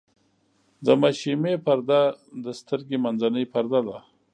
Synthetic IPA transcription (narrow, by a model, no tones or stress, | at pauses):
d̪əmaʃimepaɾd̪ad̪əst̪əɾɡemanzanəjpaɾd̪ad̪a